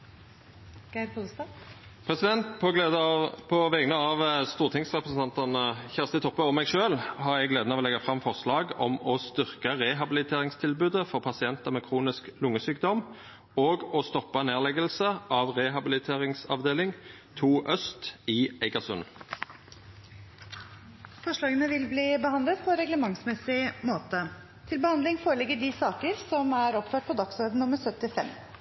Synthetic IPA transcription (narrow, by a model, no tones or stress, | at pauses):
ɡ̥æɾpːst̪ɑpʰʁɛsɪd̪ɛnt̪pʰɔɡled̪pʰɔʋɛɡnəɑʋst̪uːʁt̪ʰɪŋsʁɛpʁəsn̩t̪ɑnt̪əʁnəçæʁst̪ət̪ʰɔpːəɔmɛːɡʂøːlhɑʁɛɡleːd̪nəʋɔlɛɡɑfʁɑmfɔʁslɑːɡɔmɔst̪ʏʁkəʁɛɦɑbɪlɪt̪ʰeːʁɪŋst̪ʰɪlbʉːd̪əfɔʁpʰɑsɪɛnt̪əʁmeːkʰʁuːnɪsklʊŋːəsyːkd̪ɔm | oːɡɔst̪ɔpːɑneːʁlɛɡəlsəʔɑʋʁeːɦɑbɪlɪt̪ʰeːʁɪŋsɑ̰ʋd̪eːlɪŋ | t̪ʰuːʔœst̪iːæɪkəʁsɔn | fɔʂɭɑːɡənəʋɪlbliːbəhɑnd̪lət̪̚pʰɔɛnɾɛɡləmɑŋsmɛsɪmoːt̪ə | t̪ʰɪlbəhɑnd̪lɪŋfoːɾəlɛɡəɖɪsɑːkəɾsɔmæɾɔpføːʈ̚pʰɔd̪ɑksɔɾd̪ən̩nʊməɾsœt̪ːɪfɛmː